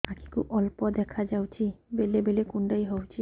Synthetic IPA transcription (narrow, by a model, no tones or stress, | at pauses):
aki̥kṵʔɔlpɔd̪ɛkʰad͡ʒawt͡ʃʰibelebelekunɖajɦɔwt͡ʃʰi